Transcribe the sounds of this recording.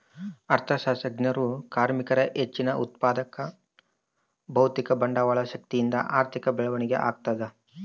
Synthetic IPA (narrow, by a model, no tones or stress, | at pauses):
ɐɾt̪ʰɐʃaːsɐɡnjɐɾukaːɾmikɐɾɐʔet͡ʃːinɐʔut̪̚paːd̪ɐkɐ | bɐwt̪ikɐbɐɳɖɐʋaːɭɐʃɐk̚t̪ijind̪ɐ̰ʔaːɾt̪ʰikɐbɛɭɐʋɐɳiɡḛʔa̰ːɡ̚t̪aːd̪e